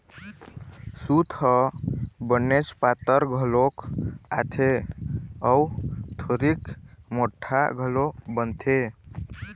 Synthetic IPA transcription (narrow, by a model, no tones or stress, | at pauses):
sut̪ʰəbənːet͡ʃpat̪əɾɡʱəloka̰t̪ʰe | əwt̪ʰoɾikmoʈʰːa̰ɡʱəlobənt̪ʰe